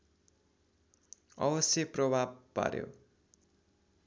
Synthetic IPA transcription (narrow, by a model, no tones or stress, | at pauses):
ʌbʌsjʌprʌbʱab̚pa̰ɾjo̰